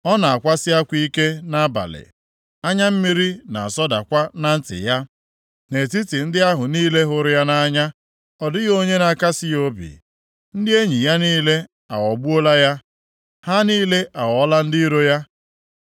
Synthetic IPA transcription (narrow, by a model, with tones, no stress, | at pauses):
ɔ˦na˨a˨kʷa˦sɪ˦a˦kʷi˦ke˦na˦ba̰˨lɪ̰˨ | a˦ɲa˦m̩˦mi˦ɾi˦na̰˨sɔ˦da̰˨kʷa˦na˦n̩˦tɪ̰˨ja˦ | ne˨ti˦tɪ˨n̩˦dɪ˦a˦ɦʊ˨niː˦le˦ɦʊ˨ɾʊ˦ja˦na˦ɲa˦ | ɔ˨dɪ˦ɣo˦ɲe˦na˨ka˦sɪ˦jo˦bḭ˨ | n̩˦dɪ˦e˦ɲi˨ja˦niː˦le˦ | a˨wɔ˨bu˦o˦la˦ja˦ | ha˦niː˦le˦ʔa˨wɔ˨˦la˦n̩˦di˦ɾo˦ja˦